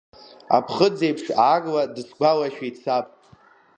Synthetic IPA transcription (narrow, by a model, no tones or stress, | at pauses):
a̰pʰχəd͡zejpʰʂʕaɡladɨsɡʷalaʃᶣet͡sʰapʼ